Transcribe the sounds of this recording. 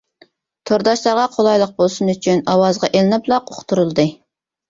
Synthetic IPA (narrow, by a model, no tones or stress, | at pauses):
t̪ʰoɾd̪ɑʃlˠɑɾʁɑqʰolˠɑjlˠəq̚bolˠsunyt͡ʃʰynɑwɑzʁɑʔelɪnɪplˠɑqoχt̪ʰuɾulˠd̪ɨ